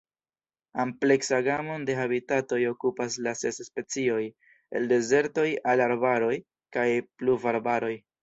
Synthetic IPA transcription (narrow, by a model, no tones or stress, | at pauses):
ample̞ksaɡamonde̞abitato̞jo̞kupaslase̞sspe̞t͡sio̞j | e̞̰lde̞ze̞ɾto̞jalaɾbaɾo̞j | kajpluvaɾbaɾo̞j